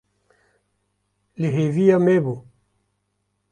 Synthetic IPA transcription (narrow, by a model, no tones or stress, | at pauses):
leɦeviamebo